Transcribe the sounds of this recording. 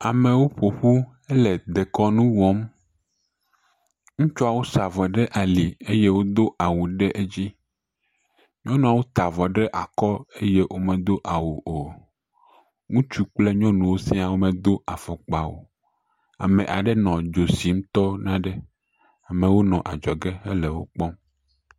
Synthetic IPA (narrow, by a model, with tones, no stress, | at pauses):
a˨mẽ˨wo˦ɸo˨ɸu˦ | e˦lɛ˨d̪e˨kɔ˦nũ˦wɔ˦m | ŋũ˦t͡ʃɔ˦a˨wo˦sa˨vɔ˨ɖɛ˦ʔa˨li˨e˦je˦wo˦d̪o˦ʔa˨wu˨ɖe˦ʔe˦d͡ʑi˦ | ɲɔ̃˦nũ˨a˨wo˦t̪a˨vɔ˨ɖɛ˦ʔa˨kɔ˦e˦je˦ʔwʔo˦mɛ̃˨d̪o˦ʔa˨wu˨ʔo˨ | ŋũ˦t͡ʃu˦k͡ple˦ɲɔ̃˦nũ˨wo˦sɛ˦a˨wo˦mɛ̃˨d̪o˦a˨fɔ˨k͡pa˨wo̰˨ | a̰˨mɛ̃˨ʔa˨ɖɛ˦nɔ̃˨d͡ʒo˨si˨˦m̩˦t̪ɔ˦nã˦ɖɛ˦ | a˨mɛ̃˨wo˦nɔ̃˨ʔa˨d͡ʒɔ˨ɡɛ˦e˦lɛ˨wo˦k͡pɔ˦m